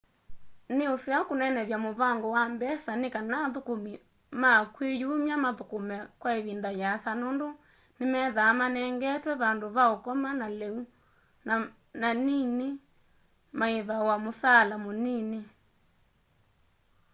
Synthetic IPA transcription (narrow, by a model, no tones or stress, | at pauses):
neoseakonɛnɛβjamoβaŋɡɔwambɛsanekanaðokomi | makwejomjamaðokomɛkwaeβindajasanondo | nemɛðamanɛŋɡɛtwɛβandoβaokɔmanalɛu | na | nanine | maeβawamosalamonine